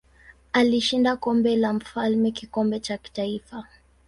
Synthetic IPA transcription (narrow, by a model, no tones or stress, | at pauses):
aliʃindakɔmbɛlam̩falmɛkikɔmbɛt͡ʃaki̥taifa